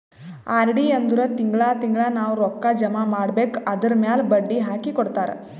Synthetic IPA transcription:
aːɾɖiɐnd̪uɾɐt̪iŋɡɭaːt̪iŋɡɭanaːʋɾɔkːad͡ʒɐmaːmaːɽbeːkɐd̪ɐɾmjaːlbɐɖːiɦaːkikɔɽt̪aːɾḛ

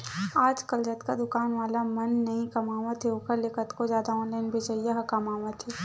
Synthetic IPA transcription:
aːd͡ʒkɐld͡ʒɐt̪kad̪ʊkaːnʋaːlamɐnːɐɦĩkɐmaːʋat̪ʰeoːkəɾlekət̪kozjaːd̪aɔːnlaɪnbʱed͡ʒɐjaɦɐkɐmaːʋat̪ʰe

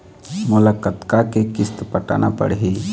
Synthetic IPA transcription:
mʊlakət̪kakekɪst̪pəʈa̰ːnapə̰ɽɦi

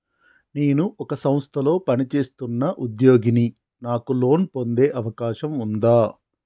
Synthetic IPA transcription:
neːnuʔɔkɐsɐmst̪ʰɐlo̞ːpɐnit͡ʃe̞ːst̪unːɐʔud̪jo̞ːɡini | naːkulo̞ːnpo̞nd̪e̞ːʔɐʋɐkaːʃɐmund̪aː

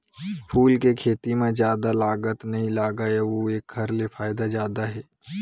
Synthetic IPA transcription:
pʰuːlkekʰeːt̪imẽzjaːd̪alaːɡət̪nɐɦĩlaːɡaɛʋoeːk̚ɡʱɐɾlepʰaːɪd̪ad͡ʒjaːd̪aɦɛː

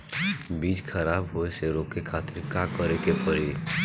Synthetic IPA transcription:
biːd͡ʒkʰɐɾaːbɦoeseɾoːkekʰaːt̪ɪɾkaːkəɾekepəɾi

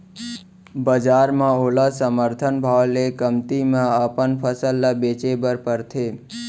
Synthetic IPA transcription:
bəd͡ʒaɾmãolasəməɾt̪ʰənbʱaʋlekəmt̪imãəpənpʰəsəlːabet͡ʃebəɾpəɾt̪ʰe

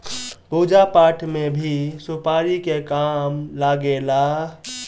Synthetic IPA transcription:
puːd͡ʒapaːʈʰmẽbʱisʊpaːɾikekaːmlaɡeːlaː

